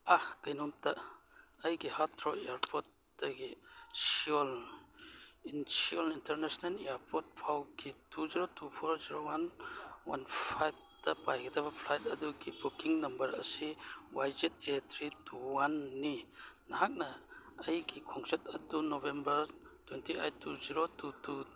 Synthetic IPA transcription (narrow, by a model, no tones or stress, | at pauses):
ahkɐjnumtaɐjɡihatʰɾɔeaɾpʰɔt̚ | dɐɡisiɔl | insiɔlintɐɾnesnalejaɾpɔt̚pʰawɡʰitʰuziɾotupʰɔɾziɾowanwa̰npʰajb̚tɐpajɡit̪abɐpʰlajt̚ɐduɡibukiŋnɐmbɐɾɐ̰siwajzet̚et̪ʰɾituwanːinaɦak̚nɐːjɡikʰɔŋt͡ʃɐt̚ɐdunobembɐɾtwentʰiʔajtːuziɾotutu